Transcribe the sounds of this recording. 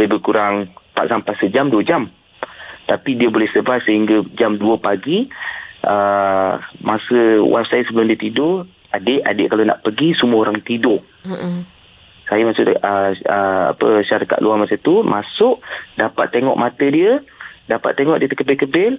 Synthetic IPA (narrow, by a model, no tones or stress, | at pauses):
ləbəkuɾaŋt̪a̰ʔsampajsəd͡ʒamduəd͡ʒam | t̪apidiəbolɛhsəbat̚səɦiŋɡad͡ʒamduəpaɡi | ə | masəwʔa̰fsajəsəbəlʊmdiət̪idʊ | adeʔadeʔkalona̰ʔpəɡisumuəoɾaŋt̪idʊ | sajəmasʊ̰ʔəəa̰pəʃaɾaka̰t̪ʔ̪luamasət̪umʔasʊʔdapa̰t̪̚ːeŋɔ̰ʔmat̪ədiədapa̰t̪̚ːeŋɔʔdiət̪əkəbɪlkəbɪl